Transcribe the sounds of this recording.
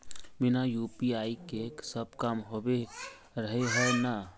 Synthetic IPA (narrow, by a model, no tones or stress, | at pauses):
bɪnajupiaːikeksəb̚kamɦobe | ɾəɦeɦɛna